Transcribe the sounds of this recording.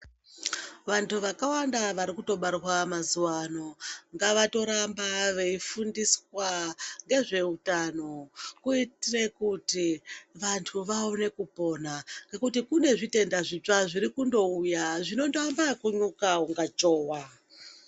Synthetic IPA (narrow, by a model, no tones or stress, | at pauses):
ʋantʰuʋakawandaʋaɾikuto̞ɓarwamazuwano̞ŋɡaʋato̞ɾambaʋe̞ifundiswaŋɡe̞ʐe̞utano̞kuitirekutiʋantʰuʋaone̞kupo̞ːnaŋɡe̞kutikune̞ʐite̞ndaʐit͡ʂaʐiɾikundo̞ujaʐino̞ndambakuɲukauŋɡat͡ʃoːwa